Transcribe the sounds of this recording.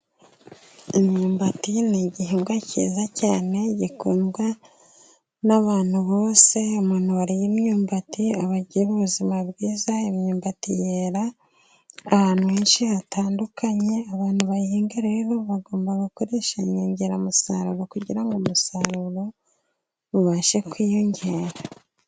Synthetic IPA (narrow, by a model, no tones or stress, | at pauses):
imɲuːmbatiniɟihiːŋɡwacḭːzacaːne̞ɟikuːnɡwa | naβaːn̥huβoːse̞umuːnhuwaɾijimɲuːmbatiaβaɟiɾuβuzimabɡiːzaimɲuːmbatijeɾaː | haːn̥huweːnʃihataːndukʰaɲe̞aβaːnhuβahiːŋɡeɾeiβoβaɡo̞ːmbaɡuko̞ɾe̞ʃemɲoːɲɟe̞ɾamusa̰ɾṵɾo̞kuɟiɾaŋɡomusaɾuɾo̞ | βuβaʃe̞kwiːjoɲɟeːɾa